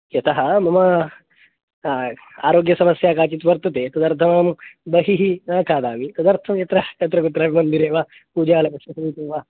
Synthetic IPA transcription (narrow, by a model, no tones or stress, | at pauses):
jet̪aɦamɐma | a̰ɾoɡjɐsɐməsjakaːt͡ɕiːt̪ʋɐɾt̪ɐt̪et̪ɐd̪ɐɾt̪ʰɐmambəɦiɦiakʰaːd̪aːmit̪ɐd̪əɾt̪ʰɐmjet̪ɾaɐt̪ɾɐɡut̪ɾaːimənd̪iɾeːʋa | pud͡ʑaːlɐkɐɐsɐmiːteʋa